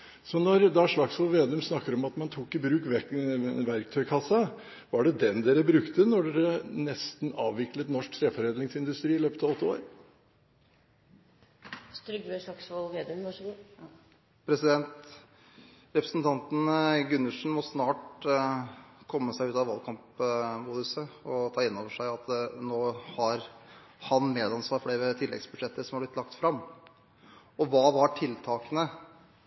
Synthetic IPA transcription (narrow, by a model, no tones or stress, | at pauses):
sɔnɔɾd̪ɛæʂlɑksʋɔlʋeːd̪ʉmsnɑkːəɾɔmɑt̪mɑnt̪ʰuːkːɪbɾʉːkʋɛʋæɾkt̪ʰœʏkʰɑsːɑ | ʋɑɖɛd̪ɛnd̪eːɾəbɾʉkt̪ənɔɖɛɾənɛst̪nɑːʋʋɪklət̪nɔʂk̚t̪ʰɾeːfɔɾeːd̪lɪŋsɪnd̪ʉst̪ɾiːɪløːpət̪ɑʋɔt̪ːəo̰ːɾ | t̪ɾʂɑksɔʋeːd̪ | pʰɾɛsɪd̪ɛnt̪ | ɾɛpɾəsn̩t̪ʰɑnt̪n̩ɡʉnːʉʂɳ̩mɔsnɑːʈ | kʰɔmːəsæɪʉːt̪ɑʋɑlkʰɑmpmuːd̪əsəɔt̪ʰɑːɪnːoːʋəʂæɪɑt̪noːhɑɾhɑnmeːd̪ɑnsʋɑːɾfɔɖɛːɾɛt̪ʰɪlːɛ̰ɡsbʉd̪ʂɛt̪ːəsɔmhɑblɪt̪lɑk̚t̪fɾɑmː | ɔʋɑːʋɑʈʰɪlt̪ʰɑːkənə